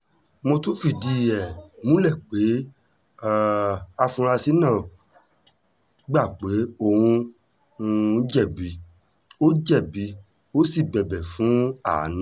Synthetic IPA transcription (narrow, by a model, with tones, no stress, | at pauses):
mo˧tu˦fi˦˨di˧˦ɛ˨mũ˦lɛ˦˨k͡pe˨˦˨ | a˧fũ˧ɾa˧si˦nã˦˨ | ɡ͡ba˦˨k͡pe˨˦o˦˨hũ˧˦˧ | d͡ʒɛ˦˨bi˨˦ | o˦d͡ʒɛ˦˨bi˨˧ | o˦si˦˨bɛ˨bɛ˨fũ˨˦a˦˨˦nã˦